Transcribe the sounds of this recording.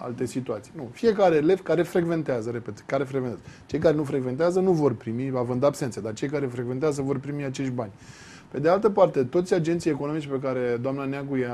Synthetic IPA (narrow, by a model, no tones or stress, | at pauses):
a̰lt̪e̞sit̪uat̪sijnufije̞kaɾele̞vkaɾe̞fɾeɡve̞nt̪eazəɾeped̪kaɾefɾeɡvent̪azt͡ʃe̞jkaɾe̞nufɾeɡvent̪eazənuvo̞rpɾimiavɨnd̪abse̞ntsed̪art͡ʃe̞jkaɾe̞fɾeɡve̞nt̪eazəvo̞rpɾimiat͡ʃe̞ʃt̪̚ʲbanʲ | pe̞d̪ealt̪əpart̪e̞t̪o̞t̪sʲad͡ʒe̞nt̪sijeko̞no̞mit͡ʃpe̞k̬aɾe̞d̪oamnaneaɡuja